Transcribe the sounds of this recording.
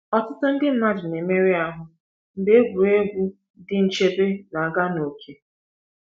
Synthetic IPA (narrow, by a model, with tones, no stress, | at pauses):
ɔ˦tʊ˦tʊ˦n̩˦dɪ˦n̩˨na˦d͡ʒɪ˨ne˨me˦ɾi˦a˦ɦʊ˨ | n̩˦de˦e˦ɡʷu˨ɾe˦ɡʷu˦ | dɪ˦n̩˨t͡ʃe˦be˦na˨ɡa˦no˨kʰe˦